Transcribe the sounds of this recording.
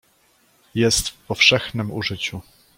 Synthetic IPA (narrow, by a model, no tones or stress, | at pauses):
jɛst̪fpɔfʂɛxnɘmuʐɘt͡ɕu